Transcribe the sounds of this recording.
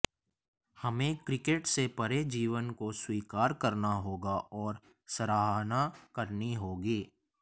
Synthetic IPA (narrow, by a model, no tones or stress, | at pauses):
hɐmẽkɾɪkeːʈsepɐɾed͡ʒiːʋənkoswiːkaːɾkɐɾnaɦoːɡaʔɔːɾ | sɐɾaːɦnakɐɾniɦoːɡiː